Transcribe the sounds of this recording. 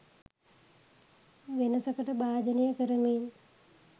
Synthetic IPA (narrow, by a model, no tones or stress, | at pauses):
ʋenəsəkəʈəbaːd͡ʒənijəkəɾəmin